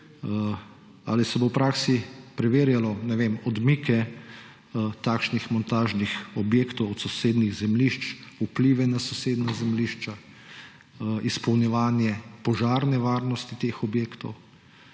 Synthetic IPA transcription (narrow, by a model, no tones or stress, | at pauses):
a̰lisɛbopɾaːksipɾɛʋeːɾjalɔnɛʋemɔd̪mikɛ | t̪akʃnixmɔnt̪aːʒnixɔbjeːkt̪ɔwɔt̪sɔseːd̪niɣzɛmliʃt͡ʃupliʋɛnasɔseːd̪nazɛmliːʃt͡ʃa | ispɔwnjɛʋaːnjɛpɔʒaːɾnɛʋaːɾnɔst̪it̪eːxɔbjeːkt̪ɔ̰w